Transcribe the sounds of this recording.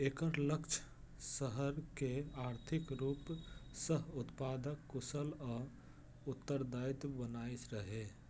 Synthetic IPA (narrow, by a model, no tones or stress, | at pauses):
eːkəɾləkt͡ʃʰ | səɦəɾkeaːɾt̪ʰɪkɾuːpsəɦʊt̪paːd̪əkːusəlɔː | ʊt̪ːəɾd̪ajt̪bənaːisɾəɦe